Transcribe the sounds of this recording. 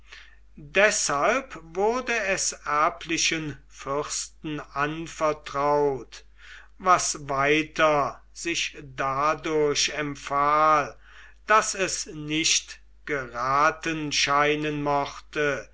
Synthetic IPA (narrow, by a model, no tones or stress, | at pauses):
dɛshalpvʊɐdəɛsæɐpʰlɪʃən | fʏχstn̩anfɛɐtʁ̥aʊt | vasvaɪtʰɐ | z̥ɪʃdadʊɐɕɛmpfaːl | d̥asɛsnɪʃt | ɡ̥əʁaːtənʃaɪnənmɔχtə